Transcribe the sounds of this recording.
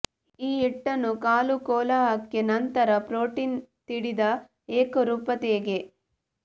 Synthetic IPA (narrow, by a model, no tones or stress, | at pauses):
iːiʈːɐnukaːlukɔːlaːɦɐkːenɐnt̪ɐɾɐpɾoːʈiːnt̪iɽid̪ɐ | eːkɐɾuːpɐt̪eːɡe̞